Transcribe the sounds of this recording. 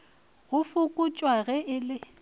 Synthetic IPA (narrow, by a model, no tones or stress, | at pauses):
ɣʊfʊkʼʊt͡ʃʼwaɣɛʔɪlɪ